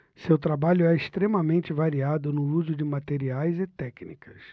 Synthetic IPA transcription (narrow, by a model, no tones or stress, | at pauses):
sewt̪ɾabaʎʊɛɪst̪ɾemɐmẽnt͡ʃɪvaɾiad̪ʊnʊuzʊd͡ʒɪmat̪eɾiajzɪt̪ɛknikɐs